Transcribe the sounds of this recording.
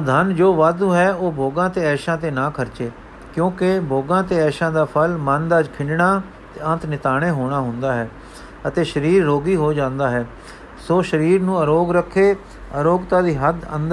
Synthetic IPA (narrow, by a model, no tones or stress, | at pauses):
d̪ʱənd͡ʒoːʋaːd̪uːɦɛːoːbʱoːɡãːt̪eːɛːʃãːt̪eːnãːkʰəɾt͡ʃeː | kjõːkebʱoːɡãːt̪eːɛːʃãːd̪aːpʰəlmənd̪aːd͡ʒkʰɪ̃ɳɖɳaː | t̪eːə̃nt̪nɪt̪aːɽ̃eːɦoːɽ̃aːɦʊ̃nd̪aːɦɛː | ət̪eːʃəɾiːɾːoːɡiːɦoːd͡ʒãːnd̪aːɦɛː | soːʃəɾiːɾnũːəɾoːɡɾəkʰːeː | əɾoːɡt̪ãːd̪iːɦəd̪ə̰̃nd̪